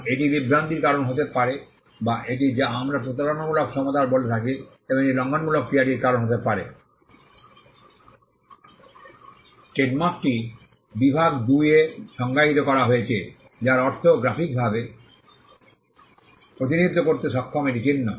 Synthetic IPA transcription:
eʈibibɾant̪iɾkaɾonɦot̪epaɾe | baʔeʈ̬id͡ʑaamɾapɾot̪̬alonamulokʃʰɔmot̪aɾbolet̪ʰaki | eboŋeilɔŋɡonmulok̚pɾiaɖiɾkaɾonɦot̪epaɾḛ | sʈeɖmak̚ʈi | bibʱaɡd̪ujeʃɔŋɡaɦit̪okɔɾaɦojet͡ɕʰe | d͡ʑaɾɔɾt̪ʰoɡɾapʰik̚bʱabe | pɾot̪̬inid̪ʱːokoɾt̪eʃɔkʰːomeʈit͡ɕinːo

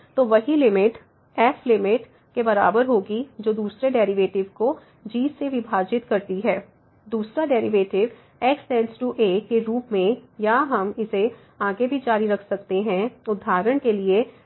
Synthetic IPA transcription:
t̪oʋɐɦilɪmɪʈ | ɛːflɪmɪʈ | kebɐɾa̰ːbəɾɦoːɡid͡ʒoːd̪uːsɾeɖɛːɾɪʋeːʈɪʋko | d͡ʒiːzseʋɪbʱaːd͡ʒɪt̪kɐɾt̪iɦɛː | d̪uːsɾaɖɛːɾɪʋeːʈɪʋ | ɛːksʈɛ̃ːnsʈuʔeːkeɾuːpmẽjaɦɐmɪse | ãːɡebʱid͡ʒaːɾiɾɐkʰsɐkt̪eɦɛ̃ʊd̪ʱːaːɾəɽ̃kelie

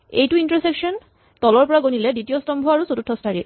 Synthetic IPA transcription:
ḛjtuintɔɹsekʃɔn | tɔlɔɹpɔɹaɡonilɛditijostɔmbʱɔaɹusotutʰːɔstʰaɹi

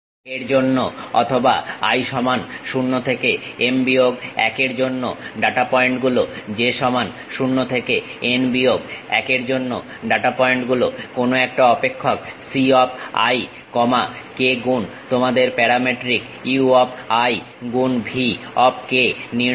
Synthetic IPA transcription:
eɾd͡ʑonːoɔ̰t̪ʰoba̰a̰jʃɔmanʃunːot̪ʰekeembioɡɛ̰keɾd͡ʑonːo̰ɖaʈapɔeɳʈɡulod͡ʑeʃɔman | ʃunːot̪ʰekeenbioɡɛ̰keɾd͡ʑonːo | ɖaʈapɔeɳʈɡulokonoɛk̚ʈaɔpekʰːoksiɔp̚a̰j | kɔmakeɡun | t̪omad̪eɾpɛɾameʈɾik | iuɔpaj | ɡunbʱiɔp̚keni

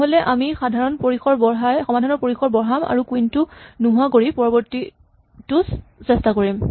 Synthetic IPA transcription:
ɦolɛʔamixadʱaɹɔnpoɹixɔɹbɔɹɦajxɔmadʱɔnɔɹpoɹixɔɹbɔɹɦama̰ɹukuintunuɦʊakoɹipɔɹɔbɔɹti | tussɛstakoɹim

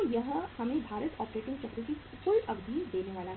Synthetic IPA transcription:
jɐɦhɐmẽbʱaːɾət̪ɔːpɾeːʈɪ̃ŋɡt͡ʃɐɦɾəki | fʊlʈɐbd̪ʱiːd̪eːneʋaːla

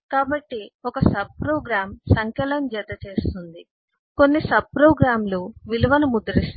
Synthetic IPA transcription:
kaːbɐʈːiɔkɐsɐb̚pɾoːɡɾaːmsɐŋkɛlɐmd͡ʒɛd̪ːɐt͡ʃe̞ːst̪und̪i | ko̞nːisɐb̚pɾoːɡɾaːmloːʋilɐʋɐnumud̪ɐɾist̪

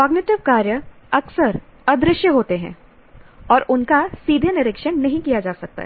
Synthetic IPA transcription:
kɔːɡnɪʈɪʋkaːɾjə | ɐksəɾɐd̪ɾɪʃjəɦoːt̪eɦɛ̰̃ː | ɔːɾʊnkasiːd̪ʱenɪɾɪkʃənnɐɦĩkijad͡ʒaːsɐk̚t̪a̰ɦɛ

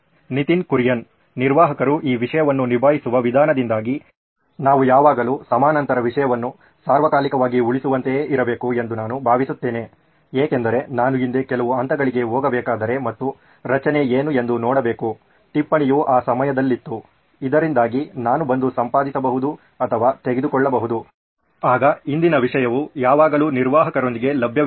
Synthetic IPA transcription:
nit̪inkuɾjɐnː | iɾʋaːɦɐkɐɾuʔiːʋiʂɐjɐʋɐnːunibʱaːɦisuʋɐʋid̪ʱaːnɐd̪ind̪aːɡi | naːʋujaːʋaːɡɐluːsɐmaːnɐnt̪ɐɾɐʋiʂɐjɐʋɐnːu | saːɾʋɐkaːlikɐʋaːɡiuɭisuʋɐnt̪eeːʔiɾɐbe̞ːkue̞nd̪unaːnubʱaːʋisut̪ːe̞ːne̞ | eːkend̪ɐɾe̞naːnuind̪ekɛlɐʋuɐnt̪ɐɡɐɭiɡe̞ɦɔːɡɐbɛːkaːd̪ɐɾe̞mɐt̪ːu | ɾɐt͡ʃɐne̞eːnue̞nd̪unɔːɽɐbeːku | ʈipːɐɳijuːʔaːsɐmɐjɐd̪ɐlːit̪ːu | id̪ɐɾind̪aːɡinaːnubɐnd̪usɐmpaːd̪isɐbɐɦud̪u | ɐt̪ʰɐʋaːt̪e̞ɡed̪ukɔɭːɐbɐɦud̪u | aːɡɐind̪inɐʋiʂɐjɐʋujaːʋaːɡɐluːniɾʋaːɦɐkɐɾond̪iɡe̞lɐbʱjɐ

